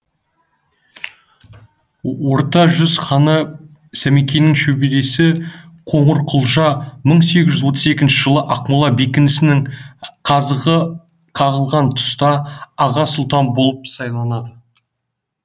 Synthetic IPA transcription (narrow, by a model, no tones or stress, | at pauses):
wo̞ɾt̪ɑʒʏzχɑnə | sæmekʲe̞jnɪŋʃɵbele̞sɪ | qʰo̞ɴəɾqʰʊlˠʒɑməɴse̞ɡʲɪʒʏzwo̞t̪əze̞kʲɪnʃɪʒəlˠəʔɑqmulˠɑbekʲɪnɪsɪnɪŋqʰɑzəʁə | qʰɑʁəlˠʁɑnt̪ʰʊ̥st̪ɑːʁɑsʊlˠt̪ɑnbo̞lˠəp̚sɑjlˠɑnɑd̪ə